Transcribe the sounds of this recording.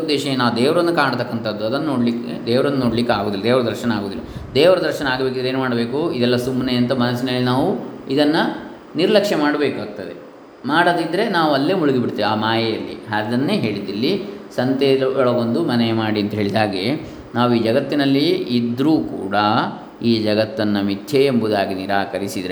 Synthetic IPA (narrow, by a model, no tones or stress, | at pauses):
d̪ɛːʃɐnaːʋud̪eːʋɾɐnːɐkaːɳt̪ɐkːɐnt̪ʰɐd̪ːuɐd̪ɐnːɐnoːɽlikːḛd̪eːʋɾɐnːuno̞ːɽlikːeaːɡoːd̪ilɐd̪eːʋɾɐd̪ɐɾʃɐnɐaːɡoːd̪ilːɐd̪ɛːʋɐɾɐd̪ɐɾʃɐnɐaːɡɐbeːk̬ieːnumaːɽɐbe̞ːkuid̪ɛlːɐsumːneɐnt̪ɐmɐnɐsːinɐlːinaːʋuid̪ɐnːɐ | niɾlɐkʂɛmaːɽɐbe̞ːkaːɡ̚t̪ɐd̪e | maːɽɐd̪id̪ɾe̞naːʋuɐlːe̞ːmuɭiɡibiɽt̪ːiːʋiaːmaːjɐjɐlːḭɦad̪ɐnːeːɦe̞ːɭid̪ɐlːisɐnt̪elɐɭɐɡond̪umɐnemaːɽiɐnt̪ɐɦe̞ːɭid̪aːɡe | naːʋuiːd͡ʒɐɡɐt̪ːinɐlːiːd̪ɾuːkṵːɽɐ | iːd͡ʒɐɡɐt̪ːɐnːɐmit̪ʰjeembud̪aːɡiniɾaːkɐɾisid̪ɾe